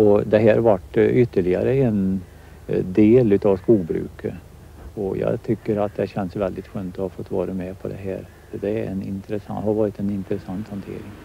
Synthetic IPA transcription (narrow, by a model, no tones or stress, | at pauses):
ɔd̪ɛɦæːɾvaʈːʏt̪ːəɭɪɡa̰ɾəɛn | d̪eːlʉ̟ːt̪ɑːvskuːɡbɾʉ̟̰ːkə | ɔjɑ̰ːt̪ʰʏkːəɾat̪̚d̪ɛɕɛnsvɛld̪ɪt̪ɧøːnt̪ɔhɑfɔt̪ːvɑ̰ːɾəmɛpʰɔd̪ɛ̰ɦæ̰ːɾ | fœd̪ɛɾɛ̰nɪ̰nt̪ɾəsahɑɾvɑːɾɪt̪ɛnɪnt̪ɾəsant̪hɑnt̪ʰḛːɾɪŋ